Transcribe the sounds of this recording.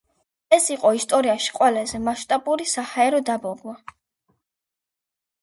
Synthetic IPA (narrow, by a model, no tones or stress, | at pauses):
ɛsiqʼɔist̪ʼɔɾiaʃi̥qʼwɛlazɛmaʃt̪ʼabuɾisahaɛɾɔd̪abɔɡwa